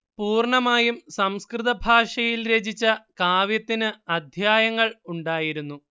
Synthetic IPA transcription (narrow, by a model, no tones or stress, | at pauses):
puːrɳɐmaːjumsɐmskrɨðɐbʱaːʂɐjilɾed͡ʑit͡ɕːɐkaːʋjɐt̪ːinɨɐd̪ʱjaːjɐŋːɐɭuɳɖaːjiɾunːu